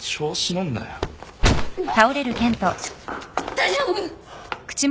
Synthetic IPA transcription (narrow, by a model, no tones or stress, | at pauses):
ɕoːɕinõnːa̰jo | t̪aoɾe̞ɾɯ̟t̪ẽ̞nt̪o | t̪aʑoɯkɯ̟̥t͡ɕim